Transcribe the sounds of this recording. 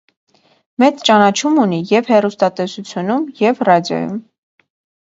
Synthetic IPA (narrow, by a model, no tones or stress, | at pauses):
mɛt͡st͡ʃɑnɑt͡ʃʰumunijɛvhɛrust̪ɑt̪ɛsut͡sʰjunumjɛvrɑd̪jɔ̰jṵm